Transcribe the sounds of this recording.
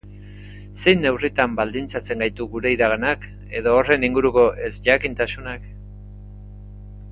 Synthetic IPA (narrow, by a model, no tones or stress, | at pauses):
se̞jnːe̞writ̪ambald̪int͡sat͡se̞ŋɡajt̪uɣuɾe̞iɾaɣanak | e̞ðo̞ːre̞niŋɡuɾuko̞ʔe̞sʝakint̪asunak